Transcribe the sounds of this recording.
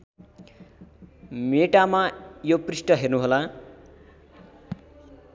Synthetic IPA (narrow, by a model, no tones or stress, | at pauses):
meʈamajoprisʈʌɦernuɦola